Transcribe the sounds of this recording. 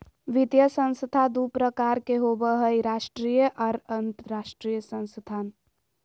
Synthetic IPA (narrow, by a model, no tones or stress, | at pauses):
ʋit̪jəsə̃nst̪ʰad̪upɾəkaɾkeɦobəɦəiɾaːʃʈɾijəʔɔɾənt̪ɾaʃʈɾijəsə̃nst̪ʰaːn